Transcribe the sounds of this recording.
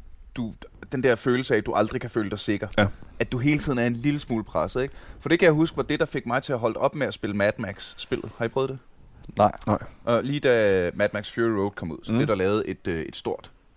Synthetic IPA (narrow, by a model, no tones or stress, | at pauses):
d̥ud̥end̥æɐ̰føːl̩səæd̥uʔɑ̈ld̥ʁikʰæfø̰ːləd̥ɑ̈ɪse̝ɡ̥ɐæd̥uɦe̝ːlət͡sʰið̰ˠn̩æɐe̝nliləsmuːləpʰʁasəð̩ˠeɡ̥fɒ̽d̥e̝kʰæjɑ̈ɦusɡ̥əʋɑ̈d̥e̝d̥ɑ̈fe̝ɡ̥mɑ̈ɪt͡sʰe̝æɦɒ̽l̰d̥ɒ̽b̥meæsb̥e̝ləmæd̥mæɡ̥sːb̥e̝l̰ð̩ˠhɑ̈ipʰʁœːð̞ˠd̥e | ɪ̰ʔɒliːd̥æmæd̥mæɡ̥sfjuiʁoʊd̥̚kʰɒ̽muð̞̰ˠsɒ̽b̥eɐɾ̥ɑ̈lɛːʊð̞̩ˠe̝d̥øe̝d̥sd̥o̝ɐ̰d̥